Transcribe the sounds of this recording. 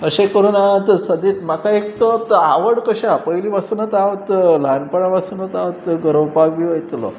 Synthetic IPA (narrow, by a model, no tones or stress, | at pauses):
əɕekəɾuːnat̪səd̪iːt̪makaek̚t̪ət̪aʋəɽkəɕaapəiliːʋasuːnət̪aʋət̪lanpəɽaʋasunət̪aʋət̪ɡəɾəwpaɡʋiʋəjt̪lo̰